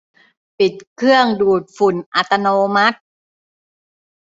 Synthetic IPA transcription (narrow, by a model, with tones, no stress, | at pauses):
pi˨˩t̪̚kʰɯ˥˩əŋduː˨˩t̪̚fu˨˩nʔa˨˧˩t̪a˧noː˧ma˦˥t̪̚